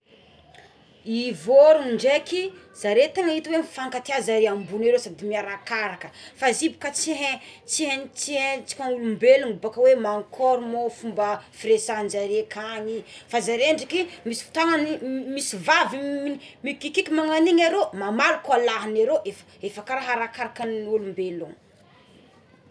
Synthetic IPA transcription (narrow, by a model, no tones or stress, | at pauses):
ivoɾuɳɖ͡ʐeki | z̥aɾet̪aŋait̪iwefaŋkat̪eazaɾeambuneɾosad̪imiaɾakaɾakəfazibu̥kət͡siɦet͡siɦent͡siet͡si̥kaŋulumbelunubakəwemaŋkʰɔɾmofumbəfiɾesand͡ʒaɾekʰaɲifazaɾeɳɖ͡ʐikimisi̥t̪aŋanimisivavimikikikimaŋaniɲaɾomamalukalaɦaneɾoʔef | efakaɾaɦaɾakaɾakanulumbeluŋ